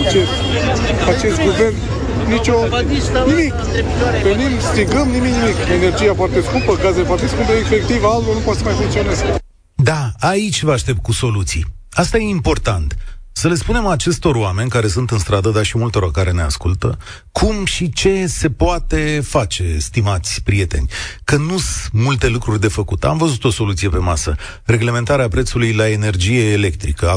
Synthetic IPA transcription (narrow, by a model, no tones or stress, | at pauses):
at͡ʃes | at͡ʃest̪̚ɡuvern | nit͡ʃo | nimik | venimst̪ɾiɡəmnimiknimikenerd͡ʒijafoart̪e̞skupəɡazefwart̪eskupəefe̞k̚t̪ivalt̪onupwat̪səmajt̪ent̪sionesk | d̪aait͡ʃʲvəaʃt̪e̞p̚t̪̚kuso̞lut̪sḭ | ast̪aje̞impo̞rt̪ant̪səle̞spune̞mat͡ʃe̞st̪o̞roame̞nʲkaɾe̞sunt̪ɨnst̪ɾad̪əd̪aʃimult̪o̞ɾorkaɾe̞ne̞a̰skult̪ə | kʰumʃit͡ʃe̞se̞poat̪e̞fat͡ʃe̞st̪imat̪sʲpɾije̞t̪e̞̰nʲkənusmult̪e̞lukɾurʲd̪e̞fəkut̪a̰mvəzut̪o̞so̞lut̪sijepe̞masə | re̞ɡle̞me̞nt̪aɾeapɾe̞t̪sulujlae̞ne̞rd͡ʒije̞ːle̞k̚t̪ɾikə